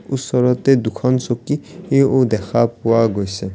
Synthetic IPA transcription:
usːɔɹɔt̪ɛd̪ukʰɔnsokːieod̪ɛkʰapʊwaɡojsɛ

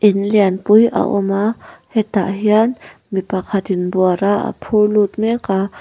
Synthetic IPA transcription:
ʔɪnljanpujʔa̰ʔo̰mahet̪aʔɦjan | mipakʰat̪inbwaɾaa̰pʰulut̪meka

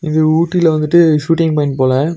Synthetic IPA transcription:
ɪŋɡɐuːʈːɪlɐʋɐnd̪ɯʈːɯʂuːʈɪ̃ŋɡpɐɪ̃npoːlɐ

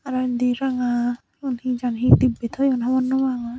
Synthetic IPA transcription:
aɾand̪iɾaŋa | ɔnhĩd͡ʒanɦĩt̪ibːit̪ʰɔɔnɦamɔnːɔmaŋa

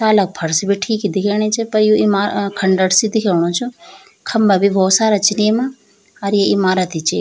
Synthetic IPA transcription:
t̪aːlɐk̚pʰɐɾsbiʈʰiːkid̪ikʰeɳit͡ʃʰepɐɾjũimaːkʰɐɳɖəɽsid̪ikʰeʋɳ̃ũːt͡ʃʰu | kʰɐmbabibʱoːsaːɾat͡ʃinemãː | ɾjeimaːɾat̪ʰit͡ʃeː

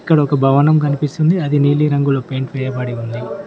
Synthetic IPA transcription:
kːɐɽɐɔkɐbʱɐʋɐnɐmkɐnipist̪und̪iɐd̪iniːliɾɐŋɡuloːpe̞ːɳʈʋɛːjɐbɐɽiund̪i

